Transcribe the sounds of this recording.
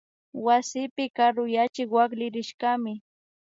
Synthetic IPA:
wasɪpɪkaɾʊjat͡ʃɪkwaklɪɾɪʃkamɪ

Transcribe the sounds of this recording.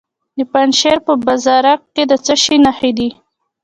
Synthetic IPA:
d̪əpanʃeɾpəbazɑɾak̚ːed̪ət͡səʃinaxed̪i

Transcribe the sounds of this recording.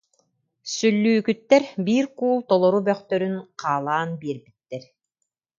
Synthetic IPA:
sylːyːkyt̪ːɛɾbiːɾkuːlˠt̪ɔlˠɔɾubœχt̪œɾynqʰaːlˠaːnbiɛɾbit̪ːɛɾ

